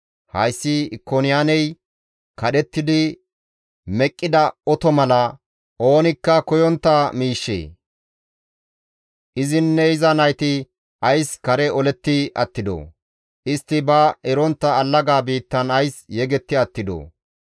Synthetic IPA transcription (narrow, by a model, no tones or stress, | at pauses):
hɐjsːɪɪkːonɪjanɛj | kɐɗɛt̪ːɪd̪ɪ | mɛkʼːɪd̪ɐɔt̪ɔmɐlɐ | ʔo̞ːnɪkːɐkɔjɔnt̪ːɐmiːʃːḛː | ʔɪzɪnːɛɪzɐnɐjt̪ɪ | ɐjskɐɾɛɔlɛt̪ːɪʔɐ̰t̪ːɪd̪o̰ː | ʔɪst̪ːɪbɐɛɾɔnt̪ːɐːlːɐɡaːbiːt̪ːɐnɐjsjɛɡɛt̪ːɪɐt̪ːɪd̪o̰